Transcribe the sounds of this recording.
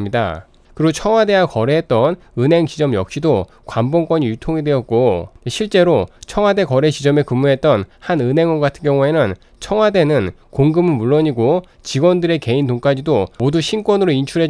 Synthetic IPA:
mɲida̰ | kɯɾiɡot͡ɕʰʌŋwade̞wakʌɾeɦet̚t͈ʌn | ɯnɦe̞ŋt͡ɕid͡ʑʌmjʌk̚ɕ͈ido | kwambʌŋk͈ʌɲijutʰoŋidwe̞ʌt̚k͈oeɕʰiɭt͡ɕ͈e̞ɾot͡ɕʰʌŋwade̞kʌɾe̞t͡ɕid͡ʑʌme̞kɯmːuɦe̞t̚t͈ʌnhanɯnɦe̞ŋʌɡatʰɯnkjʌŋue̞nɯn | t͡ɕʰʌŋwade̞nɯn | koŋɡɯmɯnmuɭːoɲiɡo | t͡ɕiɡwʌndɯɾe̞ke̞intoŋk͈ad͡ʑidomoduɕʰink͈wʌnɯɾoint͡ɕʰuɾɦe

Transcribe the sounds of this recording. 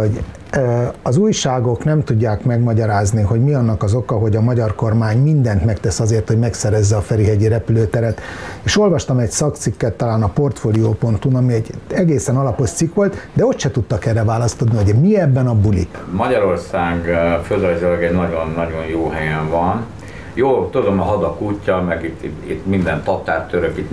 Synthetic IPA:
ho̞ɟ | ɒzuːjʃaːɡo̞knɛmt̪uɟːaːkmɛɡmɒɟɒɾaːzniɦo̞ɟmiɒnːɒkɒzo̞kɒɦo̞ɟɒmɒɟɒrko̞rmaːɲmind̪ɛnt̪mɛkt̪ɛsɒzeːrt̪ho̞ɟmɛksɛɾɛzːɛɒfɛɾiɦɛɟiɾɛpyløːt̪ɛɾɛt̪eːʃo̞lvɒʃt̪ɒmɛcsɒkt̪sikːɛt̪ːɒlaːnɒpo̞rt̪foːlioːpo̞nt̪unɒmiɛɟːɛɡeːsɛnɒlɒpo̞ʃt̪sikʋo̞lt̪d̪ɛo̞t̪ʃɛt̪ut̪ːɒkɛrːɛvaːlɒst̪od̪niɦoɟmiɛbːɛnɒbulḭkmɒɟɒɾo̞rsaːɡføzøzylɛɡɛɟnɒɟonːɒɟo̞njoːɦɛjɛɱvɒn | joːlt̪od̪onɒɦɒd̪ɒkuːcːɒmɛɡit̪ːiḭt̪mind̪ɛnt̪ɒt̪aːrt̪ːøɾøkit̪

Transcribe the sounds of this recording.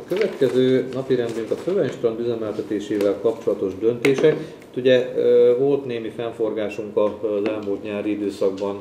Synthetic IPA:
ɒkøvɛt̪kɛzøːnɒpiɾɛnd̪yŋkɒfølɛnʃt̪ɾɒnd̪yzɛmɛlt̪ɛt̪eːʃeːvɛlkɒpt͡ʃo̞lɒt̪o̞ʒd̪ø̞nt̪eːʃɛk | t̪uɟɛvo̞lt̪neːmifɛɱfo̞rɡaːʃuŋkɒzɛlmult̪ɲaːɾiid̪øːsɒɡ̚bɒn

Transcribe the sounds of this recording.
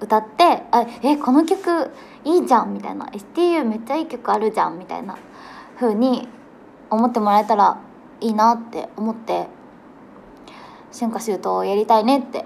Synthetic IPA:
ɯ̟t̪at̪ːe̞aeeko̞no̞kʲo̞kɯ̟ | iːd͡ʑãmmʲit̪a̰ina̰ʔe̞sɨ̥t̪iːjɯ̟ːme̞t͡ɕːaiːkʲo̞kɯ̟aɾɯ̟d͡ʑã̰mmːʲit̪a̰ḭna̰ | ɸɯ̟ːɲ̟i | o̞mo̞t̪ːe̞mo̞ɾae̞t̪aɾa | iːnat̪ːe̞̰omo̞t̪ːe̞ | ɕĩŋkaɕɯːt̪o̞ːjaɾʲit̪aine̞t̪ːe̞̰

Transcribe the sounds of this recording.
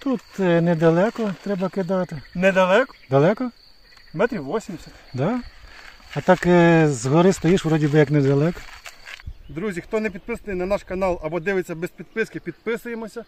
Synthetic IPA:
t̪ut̪ned̪ɐlˠɛkɔt̪ɾɛbɐkɪd̪ɑt̪ɪnɛd̪ɐlˠɛkɔ̥d̪ɐlˠɛkɔ | mɛt̪ɾʲiwʋɔsʲimʲsʲɐt̪ʲd̪ɑ | ɐt̪ɑkzɦɔɾɪst̪ɔjiʃʋɾɔdʲibɪjɐknɛd̪ɐlˠɛkɔ̥ | d̪ɾuzʲixt̪ɔnɛpʲid̪̚pɪsɐnɨjnɐnɑʃkɐnɑlˠɐbɔd̪ɪʋɪt͡sʲːɐbɛspʲid̪̚pɪskɪpʲid̪̚pɪsʊjemɔsʲɐ

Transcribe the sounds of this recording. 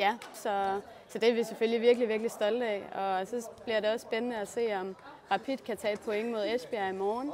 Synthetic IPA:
jæsɒ̽ | sɒ̽d̥e̝ʋe̝sefølliʋiɐɡ̥liʋiɐɡ̥lisd̥ɒ̽ldɛ̰ɒ̽sɒ̽b̥liɐɾe̝ɒ̽sb̥enənəæse̝̰ːɒ̽mʁɑ̈pʰid̥kʰæt͡sʰɛ̰ːd̥̚pʰo̽eŋəmo̝ð̞̩ˠesb̥iæimɒːn

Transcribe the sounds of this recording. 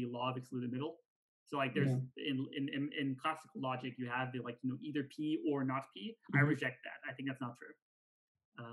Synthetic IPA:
ɨlɔʌvɨkskludɨmɪɾl̩ˠ | soʊlaɪk̚ðə˞zɪ̃nɪ̃nɪ̃nɪ̃nkʰl̥æsə̥kl̩ˠlɑd͡ʒɨkjɨəvɨlaɪkʰjɨnoʊʔiðə˞pʰiə˞nət̚pʰiaɪɹɨd͡ʒɛk̚t̪̚ðæ̰t̚aɪθɪ̃ŋk̚ðætsnətʰɹ̥ʉ | ʌ̃

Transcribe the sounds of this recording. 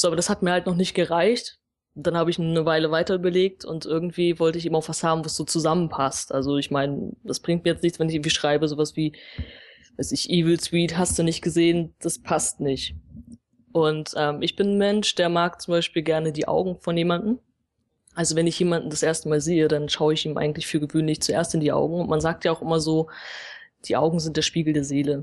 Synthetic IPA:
z̥oːʔabɐɾashat̚miːɐhaltnɔχnɪçt̚ɡ̥əʁaɪçt | d̥anhaːbəɪçnəvaɪləvaɪtɐyːbɐleːk̚tʰʊ̰ntʔɪɐɡŋ̩tv̥iːvɔltəɪçeːbmaʊxv̥ashaːbm̩vasz̥oːt͡suzamənpʰastʔalzoɪçmaɪnd̥asb̥ʁɪ̃ŋkt̚miːɐjɛt͡stnɪçt͡sv̥ɛnɪçɪɡŋ̩tv̥iːʃʁ̥aɪbəzoːvasv̥iː | vaɪsɪçʔiːvl̩swiːtɦastd̥unɪçt̚ɡ̥əzeːənd̥aspʰastnɪçt | ʔʊntʔɛːmʔɪçb̥ɪnmɛnʃd̥eːɐmaːkt͡sʊmbaɪʃpiːlɡɛɐnədiːʔa̰ʊɡŋ̩fɔnjeːmandn̩ | ʔalzovɛnɪçjeːmandn̩dasʔeːɐstəmaːlzeːəɾanʃaʊəɪçʔiːmʔa̰ɪŋ̩tlɪçfyːɐɡəvøːnlɪçt͡suʔḛːɐstɪndiːʔa̰ʊɡŋ̩ʊntmanzaːk̚tjaaʊxʔɪmɐzoː | d̥iːʔa̰ʊɡŋ̩zɪntd̥eːɐʃpiːɡl̩deːɐzeːlə

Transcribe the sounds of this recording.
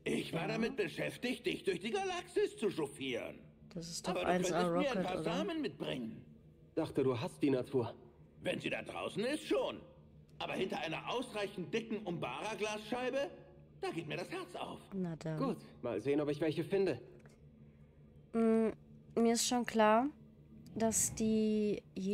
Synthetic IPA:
ʔɪçv̥aːɐɾamɪt̚b̥əʃɛftɪçt̚d̥ɪçt̚d̥ʊɐçd̥iːɡalaksɪst͡suʃofiːʁə̰n | d̥asɪ̥staːbɐʔa̰ɪnvɛaʁɔiɐaɪpʰaaɐzaːmənmɪt̚b̥ʁɪ̰ŋən | d̥aχtəduːɦast̚d̥iːnatʰuːɐ | vɛnziːda̰ːd̥ʁa̰ʊsn̩ɪstʃoːn | ʔaːbɐhɪntɐʔaɪnɐʔaʊsʁaɪçn̩t̚d̥ɪkŋ̩ʔʊmbaːʁaɡlaːsʃaɪbə | d̥aːɡeːt̚miɐɾashɛɐt͡sa̰ʊfnadaɡ̥uːtma̰ːlzeːənɔpɪçv̥ɛlçəfɪndə | m̩miːɐɪstʃoːnkl̥aːɐ | d̥asd̥iːje

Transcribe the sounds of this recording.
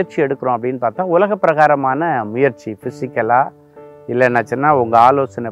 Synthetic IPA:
ɐɾt͡ʃiɛɽɯkːɯɾõɐpːɐɽɪnːɯpaːɾt̪ãːʊlɐɣɐpːɪɾɐɣaːɾɐmaːnɐmʊjɐɾt͡ʃifɪsɪkːɐlaː | ɪlːɐnːɐt͡ʃːɪnːaːʊŋɡɐaːloːsɐnɐ

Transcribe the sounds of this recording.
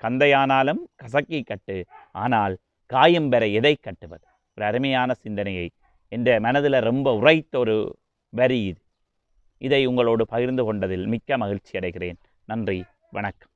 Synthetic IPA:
kɐnd̪ɐjaːnaːlɯmkɐsɐkːɪkːɐʈːɯaːnaːl | kaːjɯmbɛɾɐɛðɐɪkːɐʈːɯʋɐðɯ | ɔɾɯɐɾɯmɐjaːnɐsɪnd̪ɐnɐjɐɪ | ɛndrɐmɐnɐðɪlɐɾɔmbɐʊrɐjt̪ːɐɔɾɯ | ʋɐɾiɪðɯ | ɪðɐɪʊŋɡɐɭoːɽɯpɐɣɪɾnd̪ɯkɔɳɖɐðɪlmɪkːɐmɐɣɪɾt͡ʃːiɐɽɐɪɣɪreːn | nɐndri | ʋɐɳɐkːɐ̥m

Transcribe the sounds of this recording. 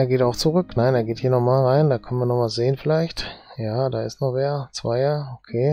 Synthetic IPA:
ʔeːɐɡeːtaʊxt͡suʁʏknaɪneːɐɡeːthiːɐnɔχmaːlʁaɪndaːkʰœnən̩viːɐnɔχmasz̥eːənfɪlaɪçtjaːdaːɪstnɔχveːɐt͡sv̥a̰ɪɐokʰeː

